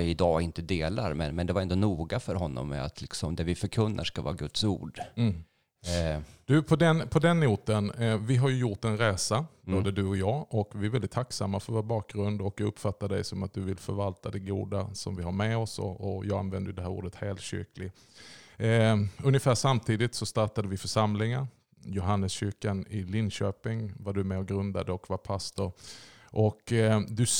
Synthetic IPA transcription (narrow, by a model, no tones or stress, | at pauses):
ɪɪd̪ɑːɪnt̪əd̪eːla̰ɾmɛnmɛnd̪ɛvaɾɛnd̪ɔnuːɡafœɾɦɔnːɔ̰mːɛ̰a̰t̪ʰlɪksɔmd̪ɛɾvɪfœɾkʰɵnːʔa̰ʂkavɑ̰ːaɡɵt̪sṵːɖ | d̪̥ɵpʰɔd̪ɛnpʰɔd̪ɛnːuːt̪ənvɪɦaɾjɵjʊʈɛnɾeːsaboːd̪əd̪ɵɔjɑːɔkvɪæɾvɛlɪt̪ʰaksamːafœɾvoːɾbɑːk̚ɡɾɵnd̪ɔkɵpːfat̪ːaɖ̪ɛ̰jsɔmat̪̚d̪ɵvɪlfœɾvalt̪ad̪ɛɡṵːd̪asɔ̰mvɪhaɾmɛɔsɔ̰ɔjɑːɡa̰nvɛnd̪əjɵd̪ɛɦæːɾṵːɖət̪heːlt̪ɕʏ̰ɾklɪ | ɵnjəfæːʂamt̪ʰiːd̪ɪt̪sɔst̪aʈ̪ad̪əvɪfœʂamlɪŋaɾ | jʊɦanːəsɕʏɾkanɪlɪnɕøːpɪŋvaɖɵmɛɔɡɾɵnd̪ad̪əɔkvaɾpʰast̪ʊɾ | ʔɔkd̪ɵ